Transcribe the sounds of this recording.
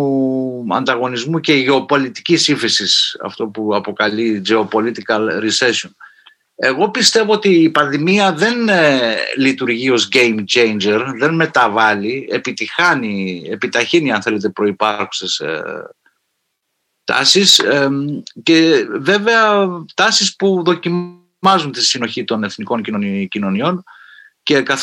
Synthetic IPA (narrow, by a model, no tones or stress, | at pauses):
ɐ̰nd̪ɐɣo̞nizmuce̞ʝeo̞po̞lit̪i̥cisiɱfisisɐ̰ft̪o̞puɐpo̞kɐlid͡ʒe̞o̞po̞lit̪ikɐlɾise̞son | e̞ɣo̞pist̪e̞voot̪iːpɐnðimiɐðe̞n | lit̪uɾʝio̞zʝe̞jmt͡ʃejnd͡ʒe̞ɾðe̞nme̞t̪ɐvɐlie̞pit̪ixɐnie̞pit̪ɐçiniɐnθe̞le̞t̪e̞pɾo̞ipɐɾxu̥ses | t̪ɐ̰sisece̞ve̞ve̞ɐt̪ɐsispuðo̞cim | ɐzunt̪isino̞çit̪o̞ne̞θniko̞ɲcinocino̞nio̞n | ce̞kɐθ